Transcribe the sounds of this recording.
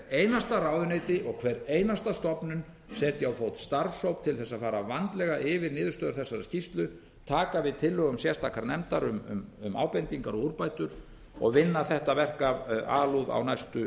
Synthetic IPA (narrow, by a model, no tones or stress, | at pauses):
eːjnast̪aɾaːwðʏneːjt̪ɪʔɔɣkʰvɛɾeːjnast̪ast̪ɔpnʏn | sɛːt̪jawfowt̪st̪aɾshowpt̪ʰɪlθɛsːafaːɾavant̪lɛɣaʔɪvɪɾnɪːðʏst̪œːðʏɾθɛsːaɾa̰scist̪lʏ | t̪ʰaːkavɪðt̪ʰɪlːœɣʏmsjɛst̪ʰakaɾnɛmt̪aɾʏmʏ̰mʏ̰ma̰ːwpɛnt̪iŋkaɾɔɣuɾpaːjt̪ʏɾ | ɔ̰ɣvɪnːaθɛht̪avɛr̥kavaːluða̰wnajst̪ʏ